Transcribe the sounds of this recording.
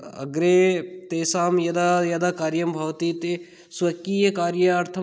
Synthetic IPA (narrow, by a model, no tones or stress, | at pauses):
ɐ̰ɡɾet̪eːsaːmjɐd̪ajɐd̪akaːɾjɐmbʱɐʋt̪it̪e | sɐkiːjɐkaːɾjɐaːɾt̪ʰɐ